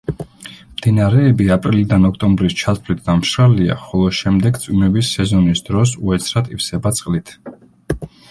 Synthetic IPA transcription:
md̪̥inaɾɛːbiapʼɾilid̪anɔkʰt̪ʼɔmbɾist͡ʃʰat̪sʰvlit̪̚ʰd̪amʃɾalia̰χɔlˠɔʃɛmd̪ɛɡt̪sʼwimɛbisɛzɔnisd̪ɾɔsuɛt̪sʰɾat̪ʼifsɛbat̪sʼqʼlit̪ʰ

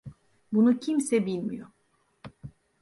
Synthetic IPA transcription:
bunucʰimsɛbilʲmḭjo

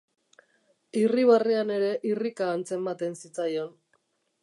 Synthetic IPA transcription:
iriβariane̞ɾe̞ʔirikaːnt͡se̞mbat̪e̞nsit͡sajo̞n

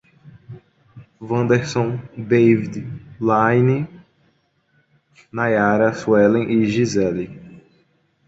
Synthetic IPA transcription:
vɐ̃nd̪eɾsõd̪ejvid̪lajni | najaɾɐsuɛlẽʔiʒizɛli

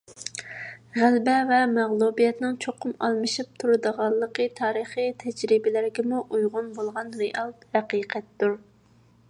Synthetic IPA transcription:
ʁælbɛvɛmɛʁlˠubijɛt̪nɪŋt͡ʃʰoqʰʊmɑ̰lˠmɨʃip̚t̪ʰuɾɨd̪əʁɑlˠːəqʰət̪ʰɑːɾəχit̪ʰɛd͡ʒɾɪbɪlɪɾɡʲɪmuʔujʁʊnbolˠʁɑnɾeʔɑlˠhæqiːqʰɛt̪ːuɾ

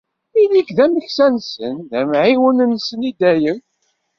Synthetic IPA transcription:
ilikðæməçsænsənðæmʕiwənənsənid̪æjən

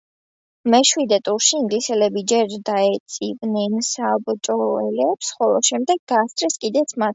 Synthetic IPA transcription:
mɛʃwid̪ɛt̪ʼuɾʃiiŋɡlisɛlɛbid͡ʒɛɾd̪aɛt̪sʼivnɛnsabt͡ʃ̪ʼɔɛlɛpsχɔlˠɔʃɛmd̪ɛɡɡast̪ʼɾɛskʼid̪ɛt̪sʰmat̪

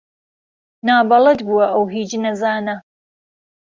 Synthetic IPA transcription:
naːbɐlˠɐd̪buwɐʔɐwɦiːd͡ʒnɐzaːnɐ

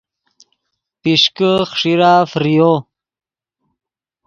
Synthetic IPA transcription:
piʂkəχʂiɾaːfɾijo

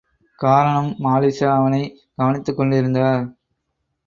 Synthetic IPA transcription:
kaːɾɐɳɐmːaːlisaɐʋɐnɐɪ | ɡ̥ɐʋɐnɪt̪ːɯkːɔɳɖɪɾɯnd̪aːɾ

